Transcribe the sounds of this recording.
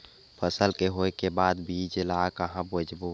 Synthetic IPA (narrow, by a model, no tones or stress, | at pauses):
pʰəsəlkeɦoːekebaːd̪bʱid͡ʒəlaːkaɦãbod͡ʒbuː